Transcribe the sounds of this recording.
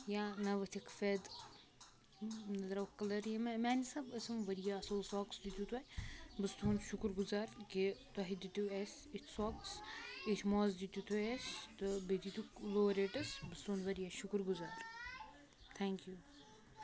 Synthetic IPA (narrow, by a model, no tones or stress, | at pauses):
jaːnɐʋɐt̪ʰikfed̪ | nɐd̪ɾɐʋkɐlɐɾjɐmmʲaːnisɐbɐsɐmʋɐɾijaːsoːsɔːksd̪it̪ʲut̪ʰojbɨst̪uːnʃukɾɡuzaːɾkit̪ɐɦid̪it̪uesʲ | it̪ʰʲsɔksit̪ʰʲmoːzd̪it̪ut̪ʰuesʲt̪ɨbed̪it̪ukloːɾeːʈɐsbɨst̪uːnʋɐɾijaːʃukɾɡuzaːɾ | t̪ʰɛːŋkjuː